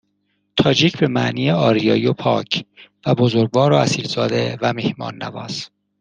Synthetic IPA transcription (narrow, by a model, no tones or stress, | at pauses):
t̪ʰɒːd͡ʒiːcʰbe̞mæ̰ʔniːjeɒːɾijɒːjopʰɒːcʰvæbozoɾɡvɒːɾoæsiːlzɒːd̪evæmehmɒ̰ːnːæ̰vɒ̰ːs